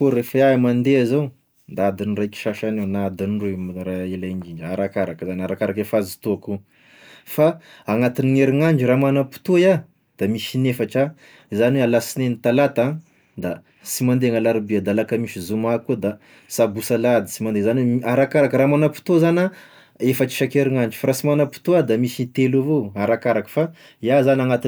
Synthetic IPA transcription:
koɾefaamand̪eazaw | d̪aad̪inirajki̥ʃaʃanenad̪inrumɾaelaŋɡind͡ʒaɾakaɾakəzanaɾakaɾakefazit̪uaku | faːŋat̪iniŋeɾiŋaɳd͡ʒiɾamanapu̥t̪oja | d̪̥amiʃinefaʈ͡ʂa | izanwealasinenit̪alat̪a | d̪a | simand̪eŋalaɾibiad̪alakəmiʃizumakːud̪a | sabusalad̪i̥t͡simand̪ezaneaɾakaɾakəɾamanəpu̥t̪ozana | efat͡ʃi̥ʃakeɾiŋand͡ʒu̥faɾasimanəpu̥t̪uad̪amisit̪elavoaɾakaɾakə̥fa | jazanaŋat̪i

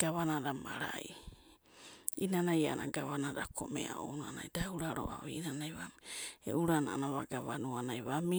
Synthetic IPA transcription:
ɡ̥aβanadamaɾaj | inanajaanaɡaβanaɾakʰomḛa̰onanajdauɾaɾo̰ʔaβinanajβamiḛʔuɾananaβaɡaβanuanajβami

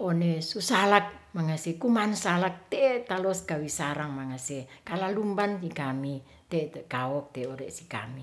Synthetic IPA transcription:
onesusalak̚maŋasekumansalak̚t̪et̪alɔskawisaɾaŋmaŋasekalalumbansikami | t̪ɛkawɔk̚t̪ɛoɾeʔsika̰mi

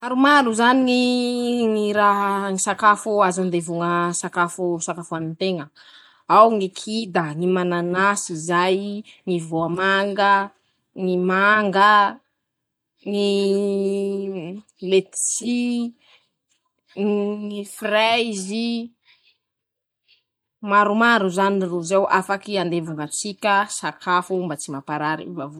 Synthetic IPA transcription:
aɾumaɾuzaniŋiŋiɾaɦŋisakafuazand̪evuŋəsakafusakafuanint̪eŋə | awŋikʰid̪əŋimananasizajŋivoamaŋɡə | ŋimaŋɡə | ŋi | let͡si | ŋiifrajzi | maɾumaɾuzaniruzewʔafakiand̪evuŋat͡sikʲəsakʰafumbat͡simapaɾaɾḭvavu

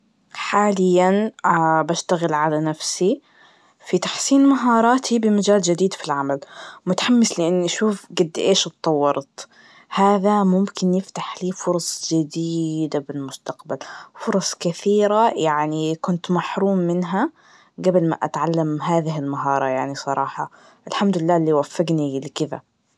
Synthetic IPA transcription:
ħaːlɪjːanbaʃt̪aɣɪlʕalanafsi | fit̪ḁħsiːnmaɦɑːɾˤɑːt̪ʰibɪmad͡ʒaːld͡ʒɪd̪iːd̪filʕamalmʊt̪ḁħamːɪslɪʔɪnːiʔaʃuːfɡad̪ːʔeːʃt̪ˤːɑwːɑɾˤt̪ | haːðamʊmkɪnjɪft̪aħliːfʊɾˤɑsˤd͡ʒɪd̪iːd̪abɪlmʊst̪aqbalfʊɾˤɑsˤkɪθiːɾajaʕnikʊnt̪maħɾuːmːɪnɦa | ɡabɪlma̰ʔa̰t̪ʕalːamɦaːðɪɦɪlmaɦɑːɾˤɑjaʕnisˤɑɾˤɑːħɑ | ʔɪlħamd̪ʊlɪlːaːlːiwafːɪɡnilɪkɪða̰

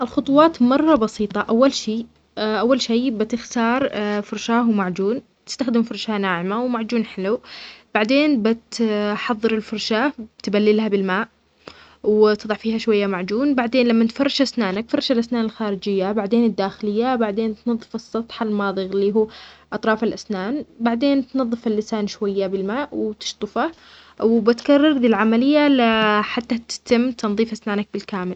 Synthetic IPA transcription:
ʔɪlxʊt̪ˤwɑːt̪mɑrˤːɑbɑsiːt̪ˤɑʔawːalʃiː | ʔawːalʃiːbɪt̪ɪxt̪ɑːɾˤfʊɾˤʃaːhwmaʕd͡ʒuːn | t̪ɪ̥st̪axd̪ɪmfʊɾˤʃanaːʕɪmawmaʕd͡ʒuːnħɪlub̥aʕd̪eːnbɪt̪ħɑðˤːɨɾɪlfʊɾˤʃaːbt̪balːɪlhabɪlmaːʔ | wt̪ɨðˤɑʕfiːhaʃwajːamaʕd͡ʒuːnbaʕd̪eːnlamːant̪fɑrˤːɑʃʔasnaːnakfɑrˤːɑʃalʔasnaːnɪlxaːɾɪd͡ʒɪjːabaʕd̪eːnɪd̪ːaːxɪlɪjːabaʕd̪eːnt̪nɑðˤːɨfɨsˤːɑt̪ˤħalmɑːðˤɨɣɪlːiːɦuːʔɑt̪ˤɾˤɑːfɪlʔasnaːnbaʕd̪eːnt̪nɑðˤːɨfalːɪsaːnʃwajːabɪlmaːʔwt̪ɪ̥ʃt̪ˤɨfa | wbɪt̪kɑrˤːɑɾˤd̪iːlʕamalɪjːalaħat̪ːat̪ɪ̥t̪ɪmːt̪ʰɑnðˤiːfʔasnaːnak̚bɪlkaːmɪl

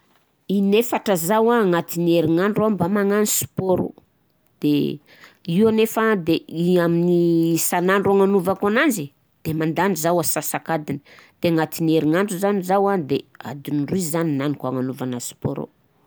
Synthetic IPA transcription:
inefaʈ͡ʂəzawaŋat̪ineɾiŋaɳɖ͡ʐuabamaŋanisu̥poɾo̰ | d̪̥e | iwanefad̪eiaminisanaɳɖ͡ʐuaŋanuvakananzi | d̪̥emand̪anizawasasakad̪ini̥d̪̥eŋat̪ineɾiŋaɳɖ͡ʐuzanizawad̪ea̰d̪inruizaninanikaŋanuvanasu̥po̰ɾo̰

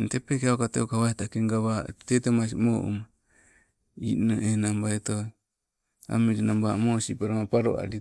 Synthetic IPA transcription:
ntepekeaokatḛokaβaetakeŋɡaβatetemas̬imoʔṵma | ḭnoʔenambaeto | a̰miɾinambamosipaɾamapaɾo̰a̰ɾi

